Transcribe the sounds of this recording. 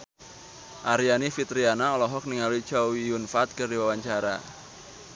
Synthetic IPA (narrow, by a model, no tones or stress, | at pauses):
ʔaɾianifit̪ɾianaɔlɔɦɔk̚niŋalui̥t͡ʃawijunfat̪̚kərdiwawaɲt͡ʃaɾa̰